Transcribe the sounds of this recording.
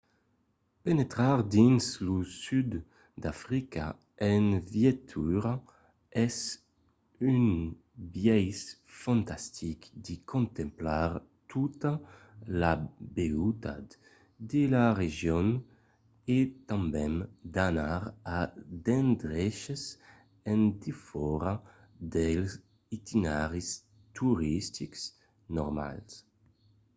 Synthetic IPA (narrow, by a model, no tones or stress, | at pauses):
penet̪ɾaʁd̪inslusyd̪ | d̪afɾika̰ | ɛnvjet̪ʰyɾa | ɛs | yn | bjɛjsfãnt̪ast̪ʰikd̪ikʰõnt̪ɛ̃mplaʁ | t̪ʰut̪alabeut̪a̰t̪ | d̪elaʁeʒjɔn | et̪ãmbɛ̃nd̪anaɾad̪ɛ̃nd̪ʁɛʃez | ɛ̃nd̪ifɔɾa | d̪ɛls | it̪ʰinaʁis | t̪uʁist̪iks | nɔ̰ʁma̰ls